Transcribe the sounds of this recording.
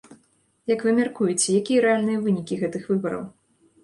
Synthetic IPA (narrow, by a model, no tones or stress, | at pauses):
jɐkvɨmʲarkujɛt͡sʲɛjakʲijɐɾɛalʲnɨjɐvɨnʲikʲiɣɛt̪ɨxvɨbɐɾɐ̰w